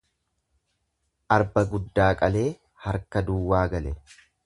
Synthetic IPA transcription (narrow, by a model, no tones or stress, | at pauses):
ʔɐɾbɐɡʊd̪ːaːkʼɐle̞ː | hɐɾkɐd̪uːwːaːɡɐlɛ